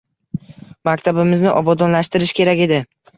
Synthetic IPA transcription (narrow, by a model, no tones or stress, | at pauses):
makʲt̪ʰabɪmɪznɪʔɒbɒd̪ɒnlaʃt̪ɪɾɪʃkʲe̞ɾakʲe̞d̪ɪ